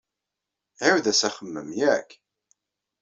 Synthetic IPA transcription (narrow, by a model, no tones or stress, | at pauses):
ʕəwðæsæχəmːəmjækː